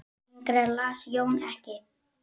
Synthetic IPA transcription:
iŋkɾɛɾlasjoːwnɛhcɪ

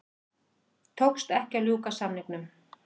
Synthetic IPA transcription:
t̪ʰowkst̪ɛhcaljuːkasamniknʏm

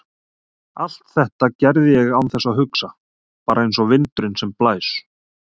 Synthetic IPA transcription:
al̥t̪θɛht̪acɛɾðɪjɛɣawnθɛsːaɦʏksa | paːɾaejns̬ɔvɪnt̪ɾʏnsɛmplaːjs

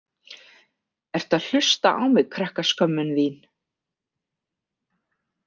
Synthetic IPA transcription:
ɛɾ̥t̪ʰaðl̥ʏst̪aʔawmɪɣkʰɾɛhkaskœmːʏnviːn

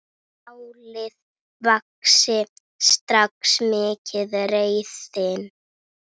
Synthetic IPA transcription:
awlɪð | vaksɪ | st̪ɾaksmɪːcʰɪðrejθɪn

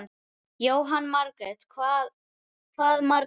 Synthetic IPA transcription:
n | joːwɦanːmaɾkɾɛt̪kʰvaːð | kʰvaːðmaɾ

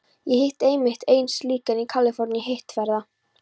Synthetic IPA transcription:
jɛhejht̪ejmɪht̪ejnsliːkanikʰaːlɪfɔɾniɦejht̪fɛɾða

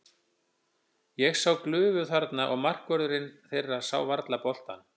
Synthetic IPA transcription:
jɛɣsaːwklʏːvʏθaɾt̪naʔɔɣmar̥kvœɾðʏɾɪnθejrːasa̰ːwvaɾt̪lapɔl̥t̪a̰n

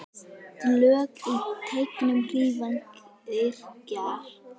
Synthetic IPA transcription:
lœːkit̪ʰeːjkɪnʏmriːvankɪɾ̥caː

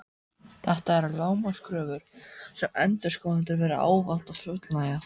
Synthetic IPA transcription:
θaht̪aɛɾalaːwmaskɾœːvʏɾ̥sɛmɛnt̪ʏ̥skɔːwnɪnt̪ʏɾvɛːɾʏa̰ːwval̥t̪asʏt̪lnaja

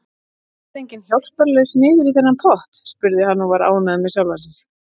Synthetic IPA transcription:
ɛt̪ejɲcɪnçjɔwl̥pœɾlœsnɪːðɪɾiθɛnːampʰɔht̪spʏɾðɪhanːɔvaɾa̰ːwnaðmɛsjawlvasɪn

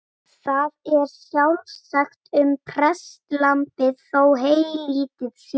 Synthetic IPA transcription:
θaðɛɾ̥sjawlsaxt̪ʏmpʰɾɛst̪lampɪðθoːwɦeːjliːt̪ɪð̥s

